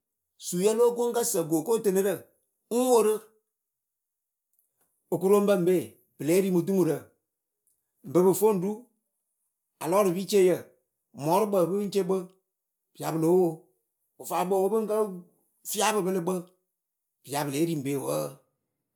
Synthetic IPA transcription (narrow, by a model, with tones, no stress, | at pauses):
su˨jə˦loː˦ɡo˦ŋ˦kə˦sə˨ɡoː˨ko˦tə˦nɨ˦ɾə˦˨ | ŋ̩˦wo˦ɾɨ˦ | o˨ku˦ɾo˦m˦bə˦m̩˨beː˦˨ | b̥ɨ˨le˦ɾi˦mu˨t̬u˦mu˨ɾə˨ | m̩˨bɨ˨˦bɨ˨fo˦˨n̩˦du˦ | a̰˨lɔ˦ɾɨ˨bi˦t͡ʃe˦jə˦˨ | mɔ˨˦ɾɨ˦bə˨bɨ˦t͡ʃe˦ɡ͡bə˦ | b̥i˨a˨bɨ˨lo˨˦wo˦˨ | o˨faː˨˦ɡ͡bə˦˨wo˦bɨ˦ŋ˦kə˦ | fi˦a˦bɨ˨bɨ˦lɨ˦ɡ͡bə˦ | b̥ɨ˨ja˨bɨ˨le˨˦ɾi˨m̩˨beː˨˦˨wəː˦˨